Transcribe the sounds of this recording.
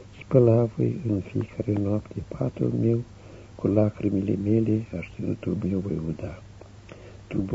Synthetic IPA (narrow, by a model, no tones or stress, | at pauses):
spəlavo̰jɨnfijekʰaɾenoapt̪ʰepʰat̪ṵlmew | kʰulakɾimilḛmeleaʃt̪inut̪ulme̞wvo̰jud̪a | t̪ub